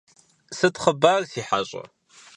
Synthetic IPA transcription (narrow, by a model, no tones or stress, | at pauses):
sɨtχəbarsiːħaɕʼɐ̰